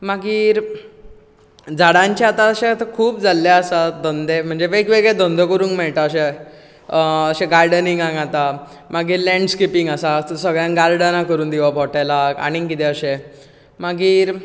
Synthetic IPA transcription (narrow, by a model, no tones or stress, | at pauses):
maɡiːɾ | d͡zaɽãɲt͡ɕaat̪aəɕẽt̪kʰuːpd͡zalːeəsad̪ɔnd̪em̤əɳd͡zeʋekʋeɡɭed̪ɔnd̪ʱəkəɾuːŋkmɛɭʈ̪aəɕe | əɕẽɡajɽəniŋɡãŋɡat̪a | maɡiːɾlɛ̃ɳɖskipiŋɡəsasəɡɭjãnɡalɖənakəɾuːnd̪iʋabʱɔʈajlaka̰ɽ̃ikit̪ɛəɕẽ | maɡiːɾ